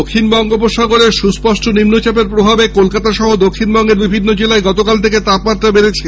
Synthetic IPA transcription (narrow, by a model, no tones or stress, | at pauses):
okʰːinbɔŋɡopoʃaɡoɾeɾʃuspɔʃʈonimnot͡ɕapeɾpɾobʱabekolkat̪aʃɔɦod̪okʰːinbɔŋɡeɾbibʱinːod͡ʑelaeɡɔt̪okalt̪ʰeket̪apmat̪ːɾabeɾet͡ɕʰe